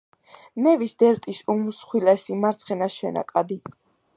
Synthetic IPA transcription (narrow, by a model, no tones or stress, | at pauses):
nɛvisd̪ɛɾt̪ʼisumusχwilɛsimaɾt̪sʰχɛnaʃɛna̰kʼad̪i